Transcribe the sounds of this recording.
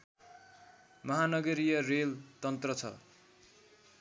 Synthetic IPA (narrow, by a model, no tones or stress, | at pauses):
mʌɦanʌɡʌɾijʌrelt̪ʌnt̪rʌt͡sʰʌ̰